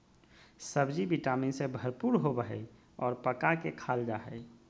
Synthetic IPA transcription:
səbd͡ʒibiʈaːminsebʱəɾpuːɾɦobəɦɛ̰i | ɔːɾpəkakekʰaːld͡ʒaːɦɛ̰

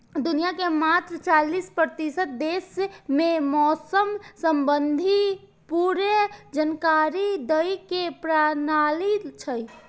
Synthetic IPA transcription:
d̪unijakemat̪ɾt͡ʃalispɾət̪isət̪̚d̪esmemɔsəmsəmbənd̪ʱi | puɾed͡ʒənkaɾid̪əjkepɾanalit͡ʃʰəj

